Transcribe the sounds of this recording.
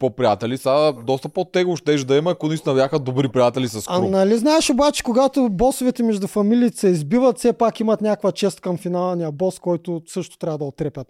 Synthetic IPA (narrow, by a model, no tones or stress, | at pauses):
popɾiat̪ɛlisad̪ɔst̪ɐpot̪ɛɡʊʃt̪ɛʒd̪ɐimɐɐkonist̪onɐbjaxəd̪obɾipɾijat̪ɛlisɐskaunɐliznaɛʃobat͡ʃɛ̥koɡat̪obɔsovɛt̪ɛmɛʒd̪ʊfɐmilʲiːt̪ɛ̥sɛizbivɐt̪sɛpakimɐt̪nʲakvɐt͡ʃɛst̪̚kɐmfinalˠɛnijɐbɔskɔjt̪ʊsɤʃt̪ʊ̥t̪ɾʲavɐd̪ɐot̪ːɾɛpʲɐt̪